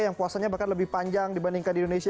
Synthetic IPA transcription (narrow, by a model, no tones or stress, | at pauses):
jaŋpuasaɲabakanləbɪhpaɲd͡ʒaŋdibandiŋkandindonesi